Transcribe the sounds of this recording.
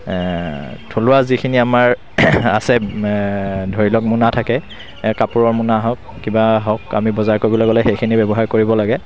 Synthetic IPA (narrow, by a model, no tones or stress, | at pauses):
tʰolʊwazikʰiniamaɹ | a̰sɛ | dʱoɹilɔk̚mʊnatʰakɛ | kapuɹɔɹmʊnaɦɔkːibaɦɔka̰mibɔzaɹkoɹbɔlɔɡɔlɔxejkʰinibɛbɔɦaɹkoɹibɔlaɡɛ